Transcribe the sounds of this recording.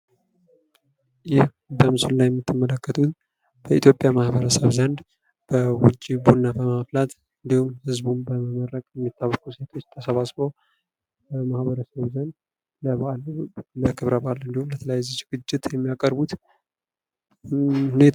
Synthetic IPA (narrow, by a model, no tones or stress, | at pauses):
jɪh | bəmɨsullajɛmːɨt̪ʰːɨmːələkːət̪ʰut̪ | b̥əʔit̪ʰjo̞pʼjamahbəɾəsəβzənd̪ | b̥əwʊt͡ʃʼːibunːabəmaflat̪ | ɨnd̪ihumhɨzbunbəməməɾəkʼjɛmːit̪ʰːawːəkuse̞t̪ʰo̞t͡ʃːt̪ʰəsəβasbow | bəmahbəɾəsəβzənd̪ | ləβalləkʰɨβɾəbalɨnd̪ihumlət̪ʰələjajzət͡ʃɡɨt͡ʃːɪt̪jɛmːijakʼəɾbut̪ | hune